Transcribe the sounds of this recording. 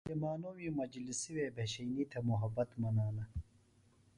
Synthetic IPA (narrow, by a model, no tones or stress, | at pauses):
jemaːnowiːmɐd͡ʒlisiweːbʱeɕɐjniːt̪ʰɐmuɦɐbɐt̪mɐnaːlɐ